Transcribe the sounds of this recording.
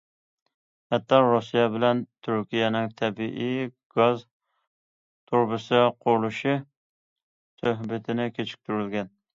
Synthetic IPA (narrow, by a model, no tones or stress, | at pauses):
hɛt̪ːɑɾusijɛbɪlɛnt̪ʰyɾkʲijɛnɪŋt̪ʰɛbiʔij | ɡ̥ɑz | t̪ʰuɾbɨsɨqʰʊɾlˠuʃi | søɦbɪt̪ʰɪnɪkʲʰet͡ʃʰi̥k̚ʲt̪ʰyɾylɡʲɛn